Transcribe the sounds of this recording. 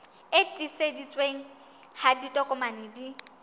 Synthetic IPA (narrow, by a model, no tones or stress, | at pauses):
etʼisedit͡sʼweŋ̩ | haditʼɔkʼʊmanedi